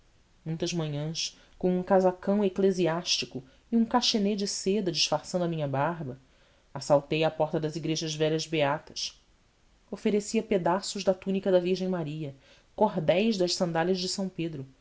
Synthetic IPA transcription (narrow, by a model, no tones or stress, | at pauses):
mũj̃t̪ɐzmɐ̃ɲɐ̃ʃ | kõũkazakɐ̃w̃ekleziaʃt͡ʃikʊ | iũkaʃened͡ʒɪsed̪ɐd͡ʒiʃfaɾsɐ̃nd̪ʊɐmĩɲɐbaɦbɐ | asawt̪ejapɔɾt̪ɐd̪ɐziɡɾeʒɐzvɛlʎɐzbeat̪ɐ̥ʃ | ofeɾesiɐped̪asʊʒd̪ɐt̪unikɐd̪ɐviɾʒẽj̃maɾiɐ | koɦd̪ɛjʒd̪ɐʃsɐ̃nd̪aʎɐʒd͡ʒɪsɐ̃w̃ped̪ɾʊ